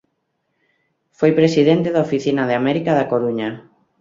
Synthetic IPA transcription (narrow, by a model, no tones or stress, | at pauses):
fojpɾesiðent̪eðaofiθinaðeamɛɾikaðakoɾuɲa